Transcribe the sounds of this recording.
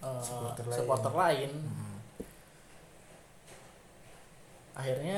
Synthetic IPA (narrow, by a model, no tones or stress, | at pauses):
əat̪əsəkwat̪ərlaɪn | ʔa̰ɦirɲa